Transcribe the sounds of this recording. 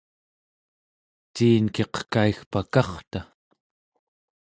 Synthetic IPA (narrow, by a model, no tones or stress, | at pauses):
t̪iːnkeqə̥kaixpakɑχt̪a